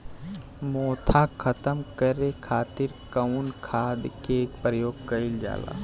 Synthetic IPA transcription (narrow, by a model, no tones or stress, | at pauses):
moːt̪ʰakʰɐt̪əmkɐɾekʰaːt̪ɪɾkɐnkʰaːd̪keːkpɾəjoːɡ̚kɐɪld͡ʒa̰ːla̰ː